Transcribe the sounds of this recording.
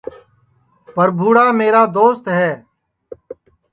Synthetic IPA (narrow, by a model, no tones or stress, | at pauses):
pəɾbʱuːɽaːmeːɾaːd̪oːst̪ɦɛː